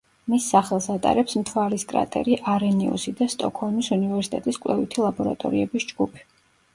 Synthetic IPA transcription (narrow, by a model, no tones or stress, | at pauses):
misːaχɛlˠsat̪ʼa̰ɾɛpsmt̪ʰwaɾiskʼɾa̰t̪ʼɛ̰ɾiʔaɾɛnɛɔ̰sid̪ast̪ʼɔkʰhɔlˠmisunivɛɾsi̥t̪ʼɛt̪ʼiskʼwlɛvit̪ʰilˠabɔɾa̰t̪ʼɔ̰ɾiɛbisd͡ʒɡupʰi̥